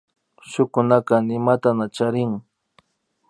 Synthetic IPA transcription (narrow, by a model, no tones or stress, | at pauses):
ʃʊkʊnakanɪmat̪anat͡ʃaɾɪŋ